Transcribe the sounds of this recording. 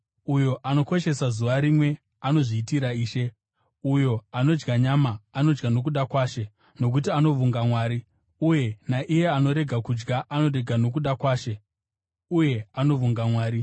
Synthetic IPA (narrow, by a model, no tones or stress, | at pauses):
ujo̞ʔano̞ko̞ʃe̞sazuʋaɾimwe̞ | ano̞ʐiːtiɾaiːʃe | ujo̞ano̞d͡ʒɡaɲamaːno̞d͡ʒɡano̞k̬uɗakwaːʃe̞ | no̞k̬utiano̞vuŋɡamwaːɾi | uje̞naʔije̞ano̞ɾe̞ɡʱakud͡ʒɡaʔano̞ɾe̞ɡʱano̞k̬uɗakwaːʃe̞ | uje̞ano̞vuŋɡamwaːɾi